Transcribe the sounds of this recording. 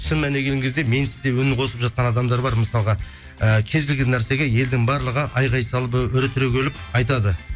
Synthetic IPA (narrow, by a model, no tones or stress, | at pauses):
sɪnmæne̞ɡʲeŋkʲʰe̞zd̪eme̞nsɪzd̪e̞wɵnɪŋqʰo̞səpʒɑt̪̚qɑnɑd̪ɑmd̪ɑɾbɑɾməsɑlˠʁɑ | əkʲʰe̞zɡɪlɡʲɪnːæɾse̞ɡʲeje̞ld̪ɪŋbɑɾlˠəʁəʔɑjʁɑjsɑlˠpʏɾɪt̪ʰːɪɾekʲʰelɪpɑjt̪̬ɑd̪ə